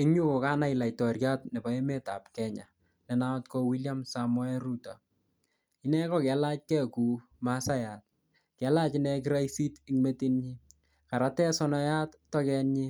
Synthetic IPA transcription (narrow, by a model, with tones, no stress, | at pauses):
ɪ˦ɲu˦ko˨ka˦na˦i˨la˨jtɔ˨ɾja˦tne˨ba˦e˦me˦ta̰˨p̚kɛ˦ɲa̰˨ | lɛ˨na˦ɔtkɔ˧wi˦lja˦msamɔ˦ɛ˦ɾu˦ta̰˨ | i˦nɛ˦kɔ˨kɛ˨la˦t͡ʃ̚kɛ˦ku˨ | ma˦sa˦ja˨t̚ | kɛ˨˦la˦t͡ʃi˦nɛ˧k̬i˦ɾa˦jsi˦ti˦ŋme˦ti˦nɲi˦ | ka˨ɾa˦tɛ˦sɔ˦na˦ja˦ttːɔ˦kɛ˧nɲɪ˦